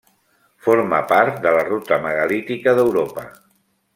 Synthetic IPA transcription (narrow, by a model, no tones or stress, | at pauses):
foɾməpaɾt̪̚d̪ələrut̪əməɣəlit̪ikəðəwɾopə